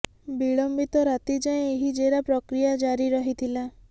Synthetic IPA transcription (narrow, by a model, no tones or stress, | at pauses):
biɭɔmbit̪ɔɾat̪id͡ʒaẽeɦid͡ʒeɾapɾɔkɾijad͡ʒaɾiɾɔɦit̪ʰila